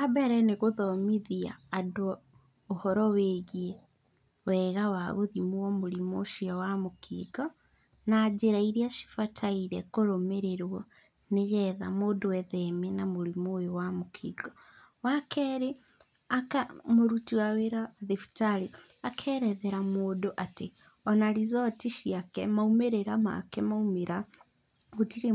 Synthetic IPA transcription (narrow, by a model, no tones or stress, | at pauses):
abɛɾɛneɣoðɔmiðia̰ːdoː | hɔɾɔweːɣiɛ | wɛɣawaɣoðimuwɔmoɾimoʃiɔwamokʰḭɡɔ | naːd͡ʑeɾaiɾiaʃi̥fatʰaiɾɛkoɾomeɾeɾwɔ | neɣɛðamoːdowɛðɛmɛnamoɾimojowamokʰiɡɔ | wakʰɛɾe | akamoɾutiaweɾaðefu̥taɾi | akʰɛɾɛðɛɾamoːdoʔate | ɔnaɾizɔtiʃiakɛmaumeɾeɾama̰kɛmaumeɾa | ɣutiɾe